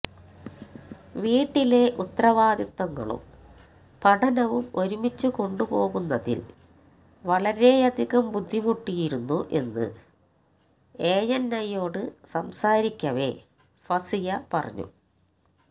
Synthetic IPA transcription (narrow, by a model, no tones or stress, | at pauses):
ʋiːʈːile̞ʔut̪ːrɐʋaːd̪jɐt̪ːɐŋːɐ̰ɭṵm | pɐʈʰɐnɐʋumo̞ɾumit͡ɕːuko̞ɳɖupo̞ːɣunːɐðḭl | ʋɐɭɐɾe̞ɐd̪ʱiɣɐmbud̪ʱːimuʈːijiɾunːuʔe̞̰nːɨ̰ | e̞ːjɐnːɐjo̞ːɽɨsɐmsaːɾikʲːɐʋe̞̰ | fɐsijɐpɐrɐ̰ɲːṵ